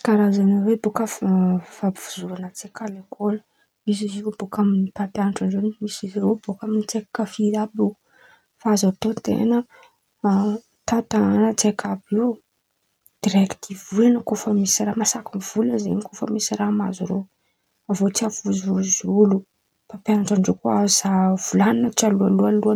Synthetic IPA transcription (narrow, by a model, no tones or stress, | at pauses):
kaɾazanəwebokəffabivuzuɾanət͡sekʰalekʰolə | mis̬iziobokaminit̪apjanʈ͡ʂanzenmisizeɾobokaminit͡sekḁkəfiabu | fazat̪ont̪ḛnə | t̪at̪anət͡sekʰabi | d̪̥iɾeki̥t̪ivulanəkofəmisiɾaːmasakunv̥ulənzḛnikofə̰misiɾama̰zuɾo | avot͡siafuzuzulu | papjanaʈ͡ʂaɳɖ͡ʐekuazav̥ulaninət͡sialualualua